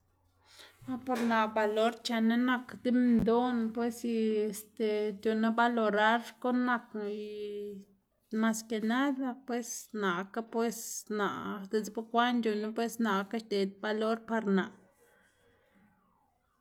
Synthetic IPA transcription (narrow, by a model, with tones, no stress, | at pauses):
a˦po˧ɾna˨ba˨lo˦ɾt͡ʃa˧na˦na˧kd̪i˦mnd̪o˦npwe˦si˧e˧st̪e˨t̪jo˧na˦ba˧lo˧ɾa˦ɾko˦nːa˧ki˧ | ma˧ske˧na˦d̪a˦pwe˦sna˨ka˦pwe˦sna̰˨d̪e˧sba˦kʷa˦nd͡ʒʲo˧na˦pwe˦sna˨ka˦ʃt̪e˨d̪̚ba˧lo˦ɾpa˧ɾna˨